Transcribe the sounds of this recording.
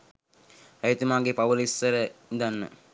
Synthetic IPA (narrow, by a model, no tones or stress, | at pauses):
ajit̪umaːɡepaʋulisːəɾəd̪anːə̰